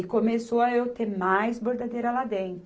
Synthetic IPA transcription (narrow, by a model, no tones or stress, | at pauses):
ɪkomesoɐewt̪emajzboɾd̪ad̪ejɾɐlad̪ẽj